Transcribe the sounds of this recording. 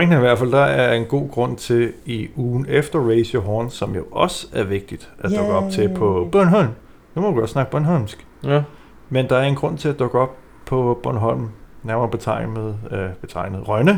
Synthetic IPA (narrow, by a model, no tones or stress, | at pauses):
eŋ̥n̩iʋæɐ̰̥fæl̰d̥ɑ̈æɐe̝nɡ̥o̝̰ːɡ̥ʁɔ̽n̰t͡sʰe̝liuːn̩efd̥ɐʁeɪsoɦɒːnsɒ̽mjo̝ʔɒ̽sæɐʋe̝ɡ̥̚d̥id̥ʔæd̥ɔɡ̥əɒ̽b̥̚t͡sʰe̝pʰɒ̽b̥œɐnɦɒl̰m | numɒduɡɒ̥snɑ̈ɡ̥əb̥ɶnɦɒlmsɡ̥ | mend̥ɑ̈æɐe̝nɡ̥ʁɔ̽n̰t͡sʰe̝æd̥ɔ̽ɡ̥əɒ̽b̥̚ | pʰɒ̽b̥ɔnɦɒl̰mnæɐmɐb̥e̝t͡sʰɑ̈ɪ̰nðˠb̥e̝t͡sʰɑ̈ɪ̰nəð̩ˠʁɶnə